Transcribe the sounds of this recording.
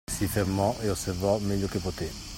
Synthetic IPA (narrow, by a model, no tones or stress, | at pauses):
sifeɾmɔʔeosːervɔmɛʎːokepot̪e